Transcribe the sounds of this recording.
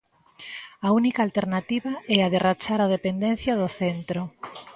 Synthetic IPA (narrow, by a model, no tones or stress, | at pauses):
aunikaːlt̪eɾnat̪iβaɛaðerat͡ʃaɾað̞epend̪ẽn̟θjaðoθent̪ɾo